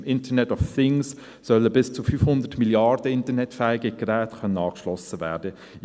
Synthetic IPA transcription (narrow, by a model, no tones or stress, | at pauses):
mɪntənɛtɔfθɪŋsː | œlːəbɪst͡sufyːfhʊnd̪ətmiljɑɾd̥əɪntənɛtfæɪɡəɡ̥ɾæːtkʰœnənɑːkʃlɔsəvæːɾdə